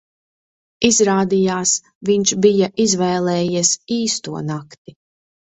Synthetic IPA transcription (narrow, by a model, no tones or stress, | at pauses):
izɾaːd̪ijaːs | viɲt͡ʃbijaʔizvɛːlˠɛːjisiːst̪uɔnakt̪i